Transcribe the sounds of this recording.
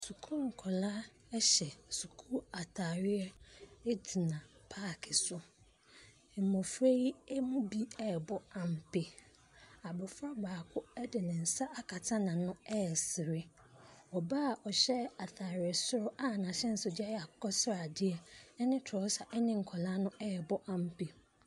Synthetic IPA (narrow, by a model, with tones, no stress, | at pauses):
su˨kʰu˦ŋ̩˨kʰɔ˨la˦ | ɛ˦ɕɛ˨su˨kʰu˦a˨tʰa˨ɾɪ˦ɛ˦e˦di˨nã˨pʰaː˦˨kʰɪ˨sʊ˦˨ | m̩˨mɔ̃˨fɾe˦i˦ɛ˦mʊ̃˦bi˦ɛ˨bɔ˦a˨m̩˨pʰe˨ | a˨bɔ˨fɾa˦baː˨kʰʊ˦ɛ˦dɪ˨nɪ̃˨n̩˨sa˦ʔa˨kʰa˨tʰã˦nã˨nʊ̃˦ɛ˦˨sɪ˨ɾɪ˦ | ɔ˨baː˦˨ʔɔ˨ɕɛ˦a˨tʰa˨ɾɪ˨ɛ˨sʊ˦ɾʊ˦ʔa˦˨nã˨ɕɛ˦n̩˨sʊ˨dɪ˦a˦jɛ˨a˨kʰɔ˦sɾa˨dɪ˦ɛ˨ɛ˦nɪ̃˦tʰɔ˨˦sa˨ʔɛ˦nɪ̃˦ŋ̩˨kʰɔ˨la˦nʊ̃˦ɛ˦˨bɔ˦ʔa˦m̩˦pʰe˨